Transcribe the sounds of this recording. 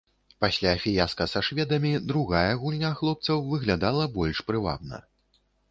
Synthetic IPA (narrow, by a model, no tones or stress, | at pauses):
pasʲlʲafʲijaskɐsaʂvʲɛd̪ɐmʲid̪ɾuɣajɐɣulʲnʲaxlˠɔp̚t̪sɐwvɨɣlʲad̪alˠɐbɔlʲʂpɾɨva̰bnɐ̰